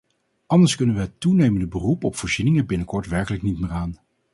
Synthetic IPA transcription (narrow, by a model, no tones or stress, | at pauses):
ʔɑndəɹskɵnənʋəɦətunejməndəbərupɔpfoːɹz̥inɪŋəbɪnəkɔɹtʋɛɹkələknitmeːraːn